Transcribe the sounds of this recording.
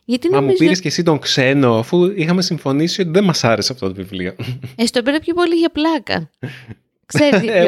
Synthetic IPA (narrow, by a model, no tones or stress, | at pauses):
ʝɐt̪inmɐmuzpiɾɾesce̞sit̪o̞ŋkse̞no̞ɐfuixɐme̞siɱfo̞nisio̞t̪iðe̞nmɐsɐɾeseɐpot̪ot̪ovivlioest̪opiɾɐpçopo̞liʝɐplɐkɐ̰ | kseɾ